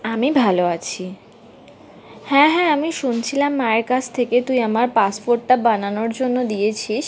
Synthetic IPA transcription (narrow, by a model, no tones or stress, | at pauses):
amibʱaloat͡ɕʰi | hɛ̃ɦɛ̃amiʃunt͡ɕʰilamːaeɾkat͡ɕʰt̪ʰeket̪ujamaɾpaspoɾʈːabananoɾd͡ʑonːod̪ijet͡ɕʰiʃ